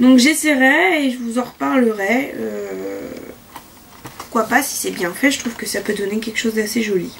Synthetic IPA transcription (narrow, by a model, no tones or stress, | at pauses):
d̪ɔ̃kʒeseʁɛːʒəvuzɑ̃ʁəpaʁləʁɛø̰ | pu̥ʁkwapasi̥sɛbjɛ̃fɛʒət̪χuvkəsapød̪ɔnekʲɛlkə̥ʃozd̪aseʒɔli